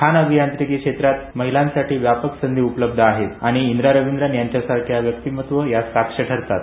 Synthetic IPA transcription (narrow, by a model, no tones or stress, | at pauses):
kʰanəbʱijant̪ɾikiːkʂet̪ɾat̪̚məɦilãnsaʈʰiːʋjapəksənd̪ʱiːupələb̚d̪ʱəaɦet̪aɽ̃iːnd̪ɾaɾəʋind̪ɾanjaɲt͡ɕjasakʰjaʋjək̚t̪iːmət̪ʋəjasakʂəʈʰəɾt̪at̪